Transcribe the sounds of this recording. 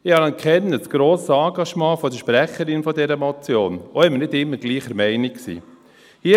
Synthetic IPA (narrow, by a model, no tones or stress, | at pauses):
ɪhɑlɑnkʰχɛnːəsɡ̥ɾoːsɑɡɑʃmɑ̃ːfɔdəɾʃpɾæχəɾɪnfɔdɛɾəmɔt͡sjoːnoɪmːəɾnɪdɪmːəɾɡ̥liːχəɾmɛɪnikksḭː | hiː